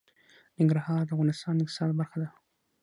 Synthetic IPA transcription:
nɪŋɡɾahɑɾd̪əavɣɑnɪst̪ɑnd̪əɪqt̪ɪ̥sɑd̪baɾxad̪a

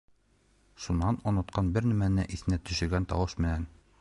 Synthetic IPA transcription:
ʃunːɑnŏnɤ̆t̪qɑnbɘɾnæmænɘʔiθɘ̆næt̪ɵ̆ʃɘ̆ɾɡænt̪ɒ̰wɤʃmɘ̆næn

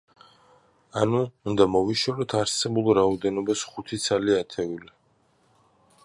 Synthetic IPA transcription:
anuund̪amɔviʃwɛɾɔt̪ʰaɾsɛbulˠɾaɔd̪ɛnɔbasχut̪ʰit̪sʰaliat̪ʰɛuli

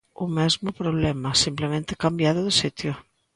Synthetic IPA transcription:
ʊmɛzmʊpɾoβlɛmasimplemẽnt̪ɪkambjaðʊðɪsit̪jʊ

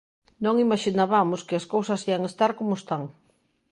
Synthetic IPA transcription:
nõŋimaʃinaβamʊskɪɐskowsɐsiaŋest̪aɾkomʊst̪aŋ

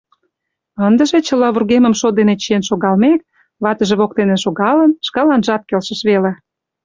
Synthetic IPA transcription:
ənd̪ə̆ʒet͡ɕə̆lɑβurɣemə̆mʃod̪enet͡ɕienʃoɣɑlmek̚ | βɑt̪əʒĕβok̚t̪eneʃoɣɑlə̆nʃkɑlɑnʒɑt̪̚kelʃə̆ʃβele

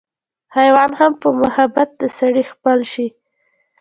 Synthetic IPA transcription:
hajwɑnhampəmʊhabat̪̚d̪əsaɽixpəlʃi

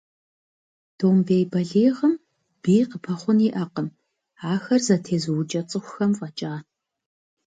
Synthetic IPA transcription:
d̥oːmbejbɐɮeːʁəm | b̥iːqəpʰɐχʷʊniːʔɐqəm | aːxɐrzɐtʰeːzɨwʊt͡ʃʼɐt͡sʼɨxʷʊxɐmfʼɐt͡ʃʼaː

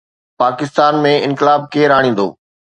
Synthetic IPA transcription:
paːkɪst̪aːnmẽɪ̃nkɪlaːb̚keːɾaːɽ̃ĩːn̆d̪o̰ː

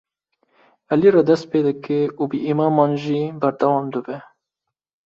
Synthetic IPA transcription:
ɛliɾɑd̪ɛst̪̚peːd̪ɨkeʔubɨʔimɑːmɑːnʒiːbæɾd̪ɛwɑːmd̪ɨbɛ

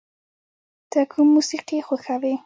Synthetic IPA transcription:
d̪̥əkʰumːusiqixoxawe

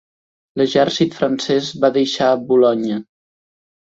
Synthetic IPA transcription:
ləʒɛɾsit̪fɾənsɛzβaðəʃaəbulɔɲə

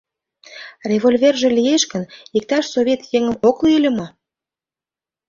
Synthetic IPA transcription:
rʲeβolʲverʒĕlijeʃkə̆nik̚t̪ɑʃsoβʲet̪jeŋəmokliilʲə̆mɑ

